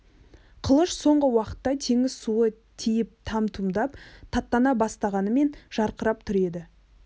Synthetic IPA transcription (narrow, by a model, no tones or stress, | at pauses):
qʰəlˠəʃso̞ɴʁəwɑqə̥t̪ːɑt̪ʰeŋɪzsuə | t̪ʰijɪp̚t̪ʰɑmt̪ʰumd̪ɑpt̪ʰɑt̪ːɑnɑbɑst̪ɑʁɑnəme̞nʒ̥ɑɾqəɾɑp̚t̪ʰʏɾe̞d̪ɪ